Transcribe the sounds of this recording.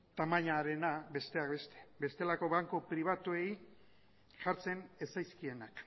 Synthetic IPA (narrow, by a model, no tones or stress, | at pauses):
t̪amaɲaɾe̞nabe̞st̪eakbe̞st̪e̞̥be̞st̪e̞lako̞βaŋkopɾiβ̞at̪uej | ʝaɾt͡se̞ne̞sajskie̞nak